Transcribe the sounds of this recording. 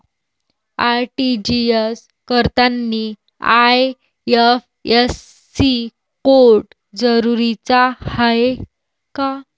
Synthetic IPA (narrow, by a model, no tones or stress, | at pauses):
aʈid͡ʑies | kəɾt̪anːi | aj | ef | esː | i | koɾʈ | d͡zəɾuɾit͡sahae | ka